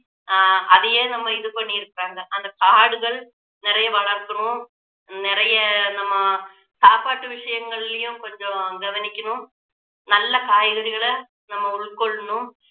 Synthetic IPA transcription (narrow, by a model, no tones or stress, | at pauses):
ɐðɐjeːnɐmːɐɪðɯpɐɳːiɪɾɯkːaːŋɡɐʔɐnd̪ɐkaːɽɯɣɐɭ | nɪɾɐjɐʋɐɭɐɾkɯɳʊ̃ | nɪɾɐjɐnɐmːɐ | saːpaːʈːɯʋɪʂɐjɐŋɡɐɭɪlɐjʊ̃kɔɲd͡ʒõɡɐʋɐnɪkʲːɐɳʊ̃ | nɐlːɐkaːjɣɐɽɪɣɐɭɐ | nɐmːɐʊɭkɔɭːɐɳʊ̃